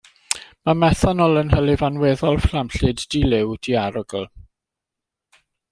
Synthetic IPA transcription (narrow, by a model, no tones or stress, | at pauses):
mamɛθanɔlˠənɦəlɪvanweːðɔlˠflamɬɨddilɪwd̥iaɾɔɡəlˠ